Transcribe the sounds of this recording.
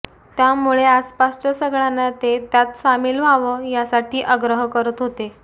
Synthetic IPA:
t̪jamuɭeaspast͡ɕasəɡɭanːat̪et̪jat̪samiːlʋ̤ʱaʋəjasaʈʰiːʔəɡɾəɦəkəɾət̪ɦot̪e

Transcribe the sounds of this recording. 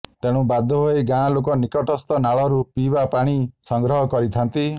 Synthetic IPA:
t̪eɽ̃ũbad̪ʱɔɦojɡãlok̬ɔnikɔʈɔst̪ɔnaɭɔɾupibapaɽ̃isɔŋɡɾɔɦɔkɔɾit̪ʰant̪i

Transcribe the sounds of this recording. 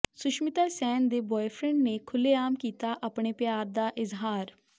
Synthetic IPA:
sʊʃmɪt̪aːsɛːnd̪eːbɔːepʰɾɛ̃ɳɖneːkʰʊleːaːmkiːt̪aːʔəpɳeːpjaːɾd̪aːʔɪzɦaːɾ

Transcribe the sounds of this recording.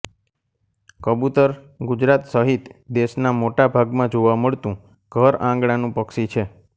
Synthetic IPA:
kəbut̪əɾ | ɡud͡ʒɾat̪səɦit̪d̪eʃnamoʈabʱaɡmãd͡ʒoʋaməɭt̪ũ | ɡ̥ʱəɾãŋɡɽanũpəkʃit͡ʃʰe

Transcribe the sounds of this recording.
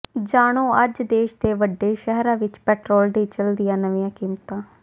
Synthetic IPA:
d͡ʒaːɽ̃õːəd͡ʒd̪eːʃd̪eːʋəɖːeːʃɛɦɾãːʋɪt͡ʃpɛːʈɾoːld̪iːt͡ʃəld̪ɪjãːnəʋĩːãːkiːmt̪ãː

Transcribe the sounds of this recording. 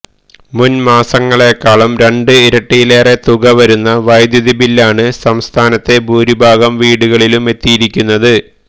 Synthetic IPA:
munmaːsɐŋːɐɭe̞kːaːɭɐmɾe̞ɳɖɨiɾɐʈːijile̞ːre̞t̪uɣɐʋɐɾunːɐʋɐjd̪jɐðibilːaːɳɨsɐmst̪ʰaːnɐt̪ːe̞bʱuːɾibʱaːɡɐmʋiːɽuɣɐɭilume̞t̪ːijiɾikʲːunːɐðɨ

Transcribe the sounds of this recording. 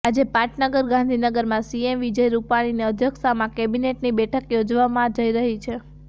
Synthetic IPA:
ad͡ʒepaʈnəɡəɾɡãnd̪ʱinəɡəɾmãsiemʋid͡ʒəjɾupaɽ̃iniəd̪ʱjəksamãkɛbineʈnibɛʈʰəkjod͡ʒʋamãd͡ʒəiɾəɦit͡ʃʰe

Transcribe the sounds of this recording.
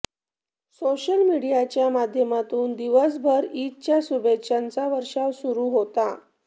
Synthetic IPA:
soɕəlmiɽijat͡ɕjamad̪ʱjəmat̪uːnd̪iʋəs̬bʱəɾit̪̚t͡ɕjasubekɕant͡saʋəɾʂaʋsuɾuɦot̪a

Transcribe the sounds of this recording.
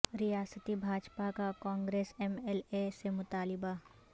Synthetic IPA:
ɾɪjaːsət̪ibʱaːd͡ʒpakakãːŋɡɾeːsemelesemʊt̪aːlɪba

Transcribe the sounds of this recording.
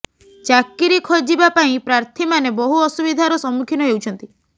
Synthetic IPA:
t͡ʃakːiɾikʰod͡ʒibapaĩpɾaɾt̪ʰimanebɔɦuɔsubid̪ʱaɾɔsɔmːukʰinɔɦewt͡ʃʰɔnt̪i

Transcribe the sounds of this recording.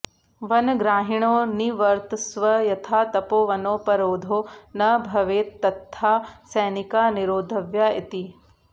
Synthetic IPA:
ʋɐnɡɾaːɦiɳ̃oːniʋɐɾt̪sʋɐjɐt̪ʰaːt̪ɐpoːʋɐnoːpɐɾoːd̪ʱoːnɐbʱɐʋeːɐt̪ʰːaːsɛːnɪkaːniɾoːd̪ʱɐʋjaɪt̪i

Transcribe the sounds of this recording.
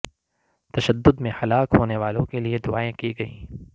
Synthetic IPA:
t̪ɐʃəd̪ːʊd̪mẽhɐlaːkɦoːneʋaːlõkelied̪ʊaːẽkiɡɐiː

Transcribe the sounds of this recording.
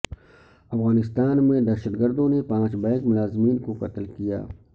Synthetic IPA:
ɐfɣaːnɪst̪aːnmẽd̪ɛʃəd̪ɡəɾd̪õnepãːt͡ʃbɛ̃ːkmʊlaːzmiːnkoqɐt̪lkija̰ː

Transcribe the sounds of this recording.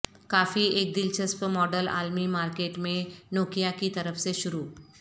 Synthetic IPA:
kaːfieːk̚d̪ɪlt͡ʃəspmɔːɖəla̰ːlmimaːɾkeːʈmẽnoːkijakit̪ɐɾəfseʃʊɾuː

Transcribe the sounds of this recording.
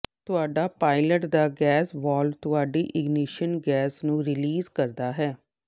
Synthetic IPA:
t̪ʊaːɖaːpaːɪləʈd̪aːɡɛːsbɔːlt̪ʊaːɖiːʔɪɡniʃənɡɛːsnũːɾɪliːzkəɾd̪aːɦɛː

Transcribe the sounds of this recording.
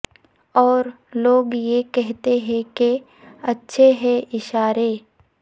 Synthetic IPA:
ɔːɾ | loːɡjekɛɦt̪eɦɛ̃ke | ɐtːʃʰeɦɛ̃ʔɪʃaːɾeː

